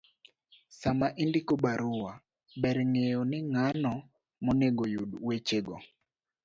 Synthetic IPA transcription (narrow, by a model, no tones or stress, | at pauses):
samaʔindikobaɾʊwa | bɛɾŋejonɪŋanɔ | mɔneɡojudwet͡ʃeɡɔ̰